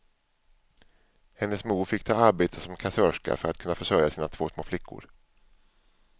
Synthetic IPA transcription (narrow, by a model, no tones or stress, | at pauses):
hɛnːəsmuːɾfɪkːt̪ʰɑːaɾbeːt̪ʰəsɔmkʰasœːʂka̰fœɾat̪kʰɵnːafœʂœɾjasiːnat̪ʰv̥oːsmoːflɪkʰːʊ̰ɾ